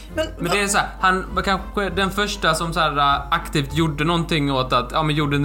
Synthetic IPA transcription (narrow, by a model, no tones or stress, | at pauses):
mɛnd̪ɛæsɔæːɾhankʰanəd̪ɛnfœʂʈasɔmsæːɾaʔakt̪iːft̪juɖːənɔnt̪ɪŋːoːt̪at̪jɑːmɛnjuːɖən